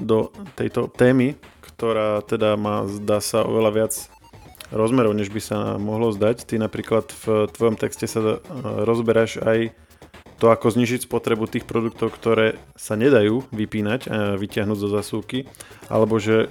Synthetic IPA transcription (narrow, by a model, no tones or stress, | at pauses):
d̪ɔt̪ɛ̰jt̪ɔt̪ɛːmikt̪ɔɾaːt̪ɛd̪amaːzd̪aːsaɔ̰ʋɛlaʋɪad͡z | ɾɔzmɛɾɔʊɲɛʒbisa̰mɔɦlɔzd̪act̪inapɾiːklat̪ft̪ʋɔjɔmt̪ɛkscɛsaɾɔzbɛɾaʒaj | t̪ɔakɔzɲiːʒicspɔt̪ɾɛbut̪iːxpɾɔd̪uk̚t̪ɔʊkt̪ɔɾɛːsaɲɛd̪ajuːʋipiːnaɟaʋicɪaɦnuːɟzɔzasuːkiʔa̰lɛbɔʒɛ